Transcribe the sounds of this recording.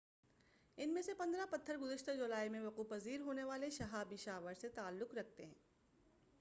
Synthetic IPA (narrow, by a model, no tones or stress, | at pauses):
ɪnmẽsepɐ̃nd̪ɾapɐt̪ʰːəɾɡʊzəʃt̪ad͡ʒʊlaːimẽʋɐquːfɐziːɾɦoːneʋaːleʃɐɦaːbɪʃaːʋəɾset̪aːlːʊqɾɐk̚t̪eɦɛ̰̃ː